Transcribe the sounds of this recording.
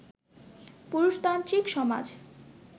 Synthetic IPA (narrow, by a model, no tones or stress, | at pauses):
puɾuʃt̪ant̪ɾikʃɔma̰d͡ʑ